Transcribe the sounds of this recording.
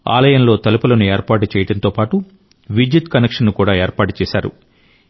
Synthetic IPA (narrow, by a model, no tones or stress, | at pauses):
a̰ːlɐjɐnlo̞ːt̪ɐlupɐlɐnue̞ːɾpaːʈut͡ʃɛːjɐʈɐnt̪o̞ːpaːʈu | ʋid͡ʒit̪kɐnekʂɐnːukuːɽaːe̞ːɾpaːʈu̥t͡ʃɛːsaːɾṵ